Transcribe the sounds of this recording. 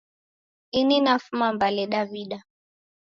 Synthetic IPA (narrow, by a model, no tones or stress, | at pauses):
ininafumambalɛɗaviɗa